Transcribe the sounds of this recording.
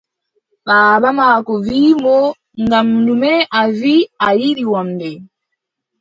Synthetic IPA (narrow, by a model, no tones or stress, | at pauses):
βaːβamakɔvimɔ | ŋɡam̩numɛʔaviajiliwam̩bɛ